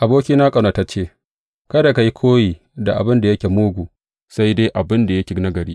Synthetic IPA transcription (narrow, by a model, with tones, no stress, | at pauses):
ʔa˨boː˦kʲiː˦naː˦kʼɐ˨no˨ta˦t͡ʃeː˦˨ | kɐ˦da˨ka˨ji˦kʰoː˦jiː˨ | da˨ʔa̰˨bɪ˦nda˨jɐ˦kʲe˨moː˦ɡʷuː˨ | sa˦jde˦ʔa˨bɪ˦nda˨jɐ˦kʲɪ˨ɡnɐ˦ɡɐ˨ɽiː˦